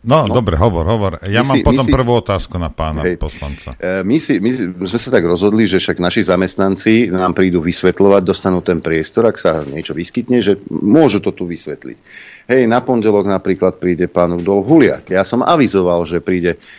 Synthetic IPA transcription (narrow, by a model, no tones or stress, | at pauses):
nɔdd̪ɔbɾɛ̰ɦɔʋɔɾɦɔʋɔɾjamaːiɔtmɔmpr̩ʋuːɔt̪aːskunapa̰ːna̰ɦɛjpɔsla̰nt͡sa̰misimizmɛsat̪aɡɾɔzɦɔd̪liʒɛfʃaɡnaʃizamɛst̪nant͡sinaːmpɾiːd̪uʋisʋɛt̪lɔʋaɟ̚d̪ɔst̪anuːt̪ɛnpɾɪɛst̪ɔɾaksaɲɪɛt͡ʃɔʋiskit̪ɲɛʒɛmʊɔʒut̪ɔt̪uʋisʋɛt̪lḭcɦɛjnapɔɲɟɛlɔɡnapɾiːklat̪̚pɾiːɟɛpaːnuɡd̪ɔlɦulɪa̰kjasɔmʔa̰ʋizɔʋalʒɛpɾiːɟɛ